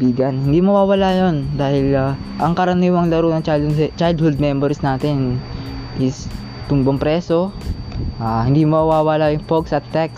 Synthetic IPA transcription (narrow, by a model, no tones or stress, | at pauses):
biːɡɐnhɪnd̪iːmɐwaːwɐlajond̪aːhɪlaʔɐŋkɐɾɐniːwɐŋlɐɾonɐŋt͡ʃat͡ʃajd̪hʊld̪̚mɛmbɛɾsnaːt̪ɪnʔɪs | t̪ʊnboŋpɾɛːso̞ | ʔahɪnd̪iːmoɐwaːwalajʊŋpoɡsɐt̪ːɛk̚s